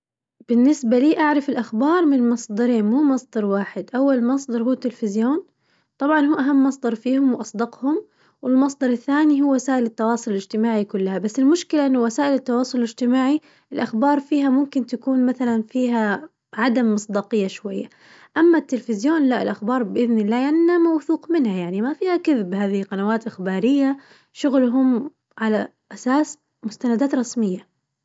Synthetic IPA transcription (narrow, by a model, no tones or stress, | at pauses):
b̥ɪnːɪsbaliːʔaʕɾˤɑfɪlʔaxbɑːɾˤmɪnmɑsˤd̪ˤɑɾiːnmuːmɑsˤd̪ɑɾˤwaːħɪd̪ʔawːalmɑsˤd̪ˤɑɾˤhuːt̪ːɪlfɪzjoːn | t̪ˤɑbʕɑnhuːʔaɦamːɑsˤd̪ɑɾˤfiːhʊmwʔɑsˤd̪ɑqhʊm | wɪlmɑs̬ˤd̪ɑɾˤɪθːaːniɦuːwasaːʔɪlɪt̪ːɑwɑːsˤʊlɪlɪd͡ʒt̪ɪmaːʕikʊlːahabasːɪlmʊʃkɪlaʔɪnːʊwasaːʔɪlɪt̪ːɑwɑːsˤʊlɪlɪd͡ʒt̪ɪmaːʕi | ɪlʔaxbɑːɾˤfiːɦamʊmkɪnt̪akuːnmaθalanfiːɦa | ʕad̪amːɨsˤd̪ɑːqɨjːaʃwajːa | ʔamːat̪ːɪlfɪzjoːnlaʔɪ̰lʔaxbɑːɾˤbɪʔɪðnɪlːaːjaːamawθuːqmɪnhajaʕnimafiːhakɪðɪbhaːðɪhiqɑnawaːt̪ʔɪxbaːɾɪjːa | ʃʊɣlʊɦʊm | ʕala | ʔasaːs | mʊst̪anad̪aːt̪ɾˤɑsmɪjːa